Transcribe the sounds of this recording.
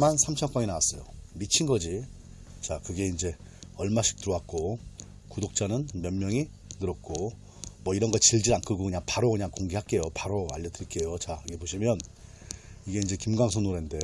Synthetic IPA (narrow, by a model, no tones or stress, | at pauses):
mansʰamt͡ɕʰʌnk͈aŋinawas͈ʌ̰jo̰mit͡ɕʰinɡʌd͡ʑi | t͡ɕakɯɡe̞ind͡ʑe̞ | ʌɭmaɕʰi̥k̚t͈ɯɾowak̚k͈o | kudok̚t͡ɕ͈anɯnmjʌnmjʌŋi | nɯɾʌt̚k͈o | mʌiɾʌnɡʌt͡ɕiɭd͡ʑiɾaŋkʰɯɡokɯɲaŋpaɾokɯɲaŋkoŋɡiɦak͈e̞jopaɾoa̰ʎːʌdɯɾik͈e̞jot͡ɕaɯɡe̞poɕʰimjʌn | iɡe̞ind͡ʑe̞kimɡwaŋsʰonuɾende̞